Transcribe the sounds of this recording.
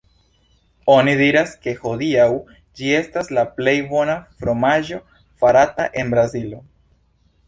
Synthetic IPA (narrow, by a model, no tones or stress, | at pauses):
o̞nidiɾaske̞ho̞diaw | d͡ʒie̞staslaple̞jbo̞nafɾo̞maʒo̞ | faɾataʔe̞nbɾazilo